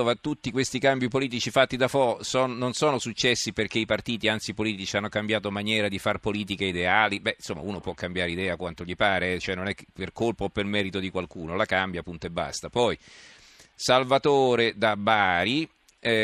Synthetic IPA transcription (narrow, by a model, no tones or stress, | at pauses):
ovat̪ut̪ːikwest̪ikambjipoliːt̪it͡ʃifat̪ːid̪afɔsɔːnnonsɔːnosut͡ʃːɛsːiperk̟eipart̪iːt̪iant̪sipoliːt̪it͡ʃianːokambjaːt̪omanjɛːɾad̪ifarpoliːt̪̬ikeid̪eaːlibɛinsomːa̰uːnopwɔkːambjaːɾeid̪ɛːakwant̪oʎipaːɾeɛt͡ʃoɛnːonɛkːeperkolpaopːelmɛːɾit̪od̪ikwalkuːnolakambjapːunt̪oebːa̰st̪apɔj | salvat̪oːɾed̪abaːɾi